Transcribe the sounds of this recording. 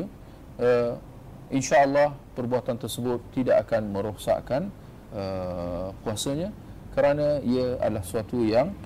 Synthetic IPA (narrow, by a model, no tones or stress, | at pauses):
ə | inʃaəlːɑhpərbuat̪ant̪ərsəbʊt̪ːidaʔakanmə̃ɾoksa̰ʔkan | ə | puasəɲã | kəɾanãiəa̰dəlahsuat̪ujaŋ